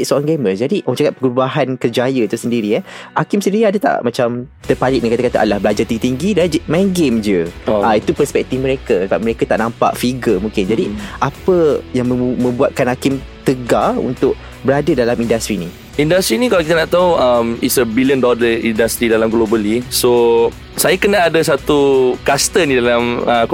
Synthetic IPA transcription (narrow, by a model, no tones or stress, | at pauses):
soʔaŋɡeməsd͡ʒadiət͡ʃakat̪̚pəɡɾubaɦankərd͡ʒajəit̪usəndiɾiaʔakɪmsəndiɾiadat̪a̰ʔmãt͡ʃamt̪ərpalɪʔ̚nĩkat̪akat̪aʔa̰lahbəlad͡ʒart̪ĩŋɡit̪iŋɡidad͡ʒmaɡemd͡ʒəait̪upərspɛk̚t̪ifmə̃ɾekasəbap̚məɾekat̪aʔnãmpa̰ʔfiɡəmũŋkɪnd͡ʒadiʔapəjaŋməmə̃mbuat̪̚kanhakɪmt̪əɡaṵnt̪ʊʔ̚ | bəɾadədalamindast̪ɾini | indast̪ɾinĩkalakit̪anaʔt̪auəmitsəbiliəndɔləindast̪ɾidalamɡlobəliso | sajakənaːdasat̪ukast̪ənĩdalamək